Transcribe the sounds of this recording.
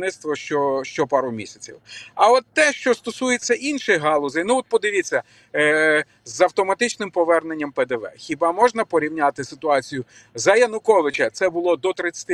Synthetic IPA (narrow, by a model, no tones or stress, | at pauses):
nɪt̪st̪ʋɔʃt͡ʃɔʃt͡ʃɔpɑɾʊmʲḭsʲɐ̥t͡sʲḭwɐɔt̪ːɛʃt͡ʃɔst̪ɔsujet͡sʲːɐʔinʃɪjɦɑlˠɔzɐjnʊɔt̪̚pɔd̪ɪʋʲit͡sʲːɐ | zɐwt̪ɔmɐt̪ɪt͡ʃnɪmpɔʋɛrnenʲːɐmpɛd̪eʋɛ̰xʲibɑmɔʒnɐpɔɾʲiwnʲat̪ɪsɪt̪ʊɑt͡sʲijʊ | zɐjɐnʊkɔʋɪt͡ʃɐt̪sɛbʊlˠɔd̪ɔt̪ɾɪt͡sʲːɐ̥t̪ɪ